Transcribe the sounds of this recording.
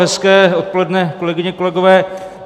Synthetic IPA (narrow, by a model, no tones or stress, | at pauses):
ɦɛskɛːo̞t̪̚po̞lɛdnɛko̞lɛɡɪɲɛkolɛɡovɛː